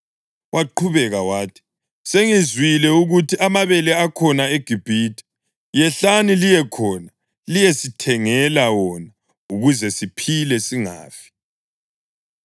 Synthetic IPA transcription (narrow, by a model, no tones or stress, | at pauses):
wʔaǃʰuβɛɣawaːtʰi̥ | seŋizwilɛuɣutʰiamaβɛlɛakʰɔnaeɡ̥ʱib̥ʱitʰi̥ | jɛɬanilijɛkʰɔːna | lijesitʰɛŋɛlawɔna | uɣuzɛsipʰilɛsiŋa̰ːfi̥